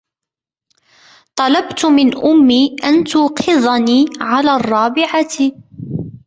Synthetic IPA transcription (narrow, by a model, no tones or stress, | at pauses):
t̪ˤɑlɑbt̪mɪnʔʊmːiːʔant̪ʊːqʰɨðˤniːʕalaːrˤːɑːbɪʕaɪ